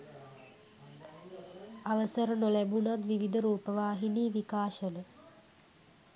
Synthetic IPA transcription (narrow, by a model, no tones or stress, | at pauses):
aʋəsəɾənolæbunat̪ʋiʋid̪əɾuːpəʋaːɦiniːʋikaːʃənə